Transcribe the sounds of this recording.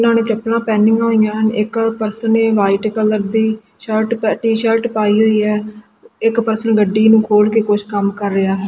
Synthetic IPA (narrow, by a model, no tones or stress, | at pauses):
nãːnẽːt͡ʃəpnãːpɛːnːɪ̃ŋɡãːĩjãːɦənɪkpəɾsəneːʋaːɪʈkələɾd̪iː | ʃəɾʈpɛʈiːʃəɾʈpaːiːɦoːiːɦɛː | ɪkpəɾsənɡəɖːiːnũːkʰoːlkeːkʊt͡ʃʰkəmkəɾːɪaːɦɛː